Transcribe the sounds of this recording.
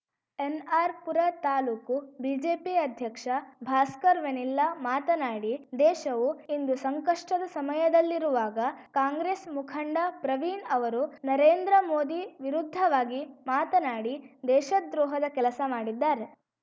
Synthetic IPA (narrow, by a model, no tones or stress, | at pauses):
enaːɾpuɾɐt̪aːluːkubiːd͡ʒeːpiɐd̪ʱjɐkʂɐbʱaːskɐɾʋenilːɐmaːt̪ɐnaːɽid̪ɛːʃɐʋuind̪usɐŋkɐʂʈɐd̪ɐsɐmɐjɐd̪ɐlːiɾuʋaːɡɐkaːŋɡɾeːsmukʰɐɳɖɐpɾɐʋiːnɐʋɐɾunɐɾeːnd̪ɾɐmoːd̪iʋiɾud̪ʱːɐʋaːɡimaːt̪ɐnaːɽid̪ɛːʃɐd̪ɾɔːɦɐd̪ɐkɛlɐsɐmaːɽid̪ːaːɾe